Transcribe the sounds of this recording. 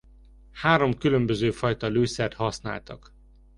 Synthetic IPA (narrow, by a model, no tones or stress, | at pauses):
haːɾo̞mkylø̞mbøzøːfɒjt̪ɒløːsɛrt̪hɒsna̰ːlt̪ɒ̰k